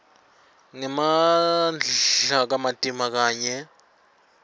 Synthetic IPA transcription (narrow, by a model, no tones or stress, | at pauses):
ŋɛmand͡ɮɬak̬amatʼimak̬aːɲɛ